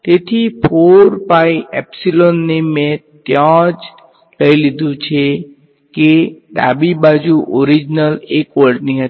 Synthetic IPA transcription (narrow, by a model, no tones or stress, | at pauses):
t̪et̪ʰipʰoɾpaiɛpsilonːemẽt̪jãd͡ʒ | ləilid̪ʱũt͡ʃʰe | ked̪a̰bibad͡ʒuʔɔɾid͡ʒnəlekʋəɾɖniɦə